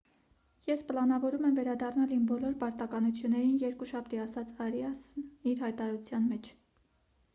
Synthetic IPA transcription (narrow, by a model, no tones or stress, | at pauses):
jɛspəlɑnɑvɔɾumɛmvɛɾɑd̪ɑrnɑlimbɔlɔɾpɑɾt̪ɑkɑnut͡sʰjunːɛɾinjɛɾkuʃɑp̚ʰt̪iɑsɑt͡sʰɑɾjɑsniɾhɑjt̪ɑɾɑɾut͡sʰjɑnmɛt͡ʃʰ